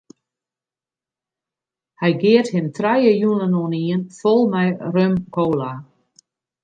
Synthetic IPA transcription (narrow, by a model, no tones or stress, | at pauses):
hɛjɡɪəthɪmtrajəjunənoniənfɔlˠmɛjrømkʰoːla